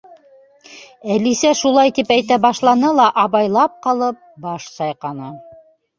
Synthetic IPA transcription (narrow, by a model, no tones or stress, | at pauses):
ælisæʃulˠɑjt̪ipæjt̪æbɑʃlˠɑnɤlˠɑʔɑβɑjlˠɑp̚qɑlˠɤp̚bɑʃsɑjqɑnɑ